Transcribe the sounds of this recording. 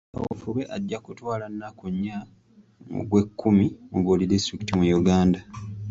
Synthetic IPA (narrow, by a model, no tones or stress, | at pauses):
a̰wo̰fuβe̞ʔaɟːakutwaːlanːakuɲːa | o̰ɡwe̞kːumimuβolidistɾikitimujuɡaːnda